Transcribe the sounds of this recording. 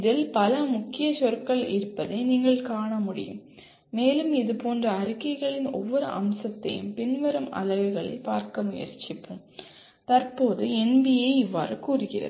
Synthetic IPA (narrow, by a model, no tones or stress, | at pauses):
ɪðɪlpɐlɐmʊkːɪjɐsɔɾkːɐɭɪ̰ɾɯpːɐðeːniːŋɡɐɭkaːɳɐmʊɽɪ̰jɯ̰mː | eːlɯmɪðɯpoːndrɐːɾɯkːɐɪɣɐɭɪnɔ̰ʋːɔɾɯʔɐ̰msɐt̪ːɐ̰jɯ̰mpɪnʋɐɾɐmɐ̰lɐʋɯɣɐɭɐ̰ɪpaːɾkɐmʊjɐ̰ɾt͡ʃɪpːɯm | t̪ɐrpoːðɯɛnbɪjeɪʋːa̰ːɾɯkuːrɯɣɪrɐ̰ðɯ